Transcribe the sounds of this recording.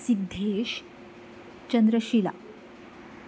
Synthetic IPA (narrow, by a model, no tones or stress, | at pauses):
sik̚d̪ʱeeɕ | t͡ɕənd̪ɾəɕiːla̰